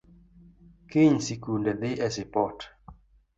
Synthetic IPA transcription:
kɪɲsikundɛðɪʔɛsɪpɔt

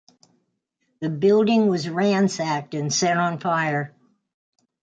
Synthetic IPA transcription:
ðɨbɪlˠdɪ̃ŋwʌzɹæ̃nsæk̚tɨ̃nsɛɾ̃n̩faɪə˞

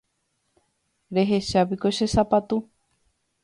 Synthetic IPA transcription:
ɾe̞ɦe̞ʃapikoʃesapat̪u

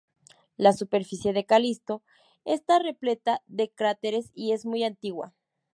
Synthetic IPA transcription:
lasupe̞ɾfisje̞ðe̞kalist̪o̞ | est̪are̞ple̞t̪aðe̞kɾat̪e̞ɾesie̞zmujant̪iɣwa̰

